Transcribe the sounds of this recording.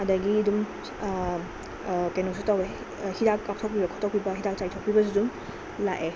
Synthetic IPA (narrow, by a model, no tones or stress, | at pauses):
adɐɡidum | kenusutawe | hidakːap̚tʰawk̚pibɐkʰɔtʰɔk̚pibɐɦidak̚t͡ʃajtʰawk̚pibɐzidum | laʔe